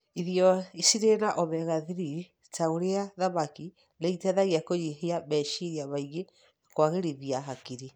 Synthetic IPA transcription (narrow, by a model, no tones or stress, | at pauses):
iðjɔisiɾenaʔɔβɛɣaðiɾi | taoɾeaðamaki | neitɛðaɣiakoɲiɦeaβɛʃiɾjaβaiɣe | akwaɣeɾiβiaɦakiɾi